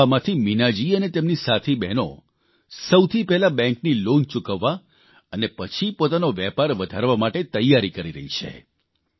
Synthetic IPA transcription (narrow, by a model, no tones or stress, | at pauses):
amãt̪ʰiminad͡ʒiənet̪emnisat̪ʰibɛɦno̰ | səwt̪ʰipɛɦɛlabɛ̃ŋknilont͡ʃukəʋːa | ənepət͡ʃʰipot̪anoʋɛpaɾʋəd̪ʱaɾʋamaʈet̪əjːaɾikəɾiɾə̰ɦit͡ʃʰḛ